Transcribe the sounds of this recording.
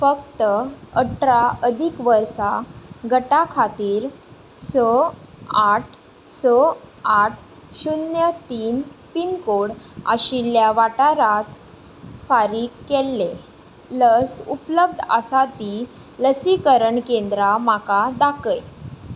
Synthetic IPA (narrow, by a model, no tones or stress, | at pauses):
fəkt̪əəʈɾaəd̪ʱikʋəɾsaɡəʈakʰat̪iːɾ | sə | aʈʰ | səaʈʰ | ɕunjət̪iːnpinkoɽa̰ɕiljaʋaʈaɾat̪ | faɾiːkːelːe | ləsupləb̚d̪ʱə̰sat̪iː | ləsikəɾəɳkend̪ɾamakad̪akəj